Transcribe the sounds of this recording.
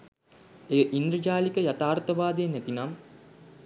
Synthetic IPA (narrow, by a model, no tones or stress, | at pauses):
eʔind̪ɾəd͡ʒaːlikəjat̪aːrt̪ɐʋaːd̪ejenæt̪inam